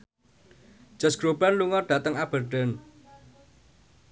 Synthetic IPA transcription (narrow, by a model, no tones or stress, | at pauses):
d͡ʒ̥ə̤sɡ̥ɾob̥anluŋɔrɖ̥ä̤t̪əŋab̥ərɖən